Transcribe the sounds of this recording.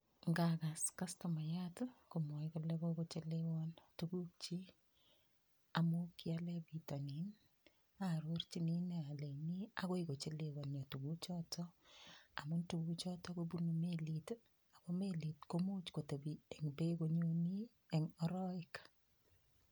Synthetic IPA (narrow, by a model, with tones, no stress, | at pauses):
ŋɡaka˨ska˦stoma˨jatko˨mɔ˨jko˦le˦ko˦kot͡ʃe˦lewɔntukuk̚t͡ʃi˦ | amukiale˦bitanin | aɾort͡ʃini˦ne˨a˨le˨ni˦ako˦iko˨t͡ʃe˦lewɔ˨nɲɔ˨tu˨ku˦t͡ʃɔtʰɔ | a˨mʊ˦ntu˦ku˦t͡ʃɔ˦tɔ˦kobu˦nomelit | a˨ko˦meli˨tkomu˦t͡ʃko˨te˨biɛ˨ŋbe˦koɲoni˦ | ɛ˨ŋɔ˦ɾɔ˦ɪk